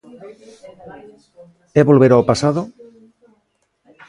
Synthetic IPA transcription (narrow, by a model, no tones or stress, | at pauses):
ɛβolβeɾaopasaðo